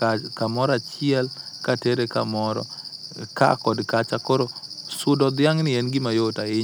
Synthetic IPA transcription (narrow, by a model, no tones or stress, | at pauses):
kamɔɾat͡ʃɪɛlkateɾeka̰mɔɾɔ̰ka̰kɔdkat͡ʃakoɾosʊdɔd̪ɪjaŋnɪɛnɡɪmajotaɪ